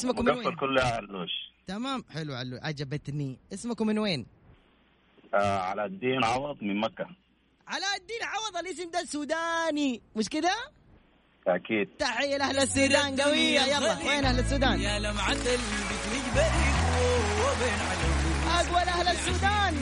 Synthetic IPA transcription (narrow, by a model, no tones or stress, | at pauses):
ɪsmamafalkʊlːaalːoːʃt̪amaːmħɪluʕa̰lːṵʕa̰d͡ʒabat̪niʔɪsmakumɪnweːn | ʔaʕa̰lad̪ːiːnʕɑwɑðˤmɪnmakːa | ʕalad̪ːiːnʕɑwɑðˤɑlʔɪs̬ɪmd̪asuːd̪aːnimɪʃ̬kɪd̪a | ʔakiːd̪̥̚t̪aħɪjːalʔahlasːuːd̪aːnɡawɪjːajɑlˤːɑweːnʔahlasːuːd̪aːnjalamːaʕand̪albɪt̪liːɡbaʔɾiwabeːnʕalaiʔaɡwalʔahlasːuːd̪aːn